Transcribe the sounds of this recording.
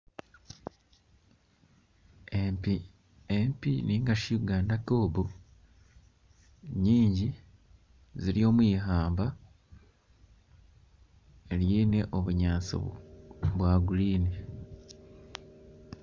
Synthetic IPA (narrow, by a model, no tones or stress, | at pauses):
empiniːŋɡaʃiuɡaːndakoːβu | ɲiːɲɟi | ziɾjo̞ːmwiːɦaːmba | eljiːne̞ʔo̞βuɲaːt͡sḭ | βwaːɡuliːni